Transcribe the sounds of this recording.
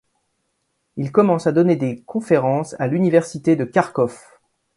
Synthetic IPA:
ilkɔmɑ̃sad̪ɔned̪ekɔ̃feʁɑ̃sa̰lynivɛʁsit̪ed̪əkʲaʁkɔf

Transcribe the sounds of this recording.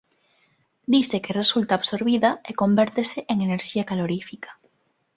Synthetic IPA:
d̪isekeresult̪aːβsoɾβiðaeko̞mbeɾt̪eseʔeŋeneɾʃiakaloɾifikḁ

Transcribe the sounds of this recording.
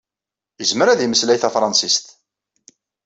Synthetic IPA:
jəzməɾæðiməslæjθæfɾˤɑnsist̪

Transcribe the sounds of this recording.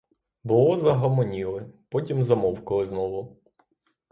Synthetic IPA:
bʊlˠɔzɐɦɔmɔnʲilˠɪpɔtʲimzɐmɔwkɔlˠɪznɔʋʊ

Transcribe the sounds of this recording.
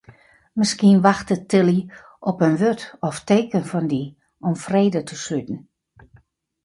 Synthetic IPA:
mɪskiənʋaxtətɪlˠi | ʔɔpənʋøtɔfteːkənfɔndi | ɔmfreːdətʰəsytn̩

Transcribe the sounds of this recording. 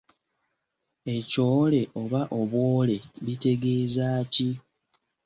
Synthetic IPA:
e̞co̞ːle̞ʔo̞βaʔo̞βwo̞ːle̞βite̞ɡe̞ːzaːci

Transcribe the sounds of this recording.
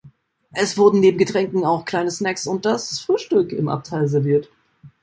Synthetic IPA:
ʔɛsv̥ʊɐdn̩neːbm̩ɡətʁ̥ɛŋkŋ̩aʊxkʰl̥aɪnəsnɛksʊnt̚d̥asfʁ̥yːʃtʏkɪ̰mʔa̰p̚tʰaɪlzɛɐviːɐt

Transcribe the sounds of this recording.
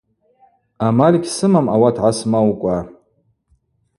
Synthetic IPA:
amalʲikʲsɨmamawatʰʕasmawkʷʼa

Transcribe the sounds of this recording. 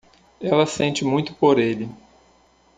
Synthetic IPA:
ɛlɐsẽnt͡ʃɪmũj̃t̪ʊ̥poɾelɪ

